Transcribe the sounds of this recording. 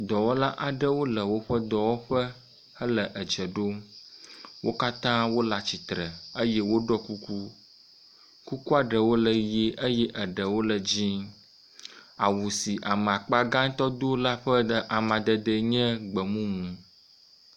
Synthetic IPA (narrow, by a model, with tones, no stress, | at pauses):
d̪ɔ˨wɔ˦la˦ʔa˨ɖə˦wo˦lə˨wo˦ɸə˦d̪ɔ˨wɔ˦ɸə˦ | ə˦lə˨ʔə˨d͡ʒə˨ɖo˦ | wʔo˦ka˦t̪ã˦wo˦la˨t͡ɕi˨t̪ɾə˨ə˦jɛ˦wo˦ɖɔ˦ku˦ku˦ | ku˦ku˦a˨ɖə˨wo˦lə˨je˦ʔə˦jɛ˦ʔə˨ɖə˨wo˦lə˨d͡ʑĩ˦ | a˨wu˨si˨ʔa˨mə˨a˨k͡pa˦ɡã˦ɲ˦t̪ɔ˦d̪o˦la˦ɸə˦ɖə˦ʔa˨mã˨d̪ə˨d̪ə˦ɲɛ̃˦ɡ͡bə˨mũ˦mũ˨